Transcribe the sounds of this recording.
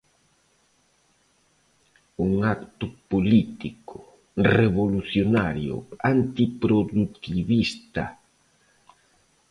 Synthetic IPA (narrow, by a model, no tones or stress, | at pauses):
uŋakt̪ʊpolit̪ikʊ | reβoluθjonaɾjʊ̰ant̪ipɾoðut̪iβist̪a